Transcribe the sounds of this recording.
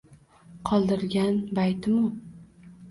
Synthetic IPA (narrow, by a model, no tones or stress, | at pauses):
qʰɒlˠd̪ɪɾɡʲanbajt̪ʰɪmʊ